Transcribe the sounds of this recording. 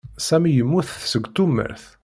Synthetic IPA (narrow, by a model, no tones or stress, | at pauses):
sæmjəmːuθsəɡʷt̪umːə̰ɾθ